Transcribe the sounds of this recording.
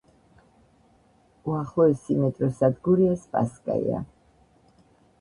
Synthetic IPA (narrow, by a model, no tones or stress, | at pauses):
uaχlˠɔɛsimɛt̪ʼɾɔsad̪ɡuɾiaspʼa̰skʼa̰ḭa̰